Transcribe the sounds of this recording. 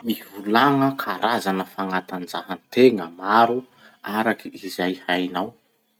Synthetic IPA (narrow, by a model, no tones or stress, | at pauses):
mivulaŋəkʰaɾʔazanəfaŋat̪and͡zaɦant̪eŋəmaɾu | aɾakiizajhajnaw